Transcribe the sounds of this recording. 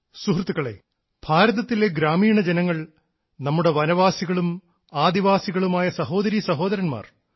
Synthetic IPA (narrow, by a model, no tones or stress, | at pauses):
suɦrt̪ːukːɐɭḛː | b̥ʱaːɾɐðɐt̪ːile̞ɡɾaːmiːɳɐd͡ʑenɐŋːɐɭ | nɐmːuɽe̞ʋɐnɐʋaːsiɣɐɭum | aːd̪iʋaːsiɣɐɭumaːjɐsɐɦo̞ːd̪ɐɾisɐɦo̞ːd̪ɐɾɐnma̰ːr